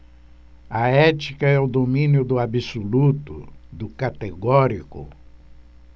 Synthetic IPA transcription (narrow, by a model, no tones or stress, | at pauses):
ɐɛt͡ʃikɐɛʊd̪omĩnjʊd̪ʊabisolut̪ʊd̪ʊkat̪eɡɔɾikʊ̰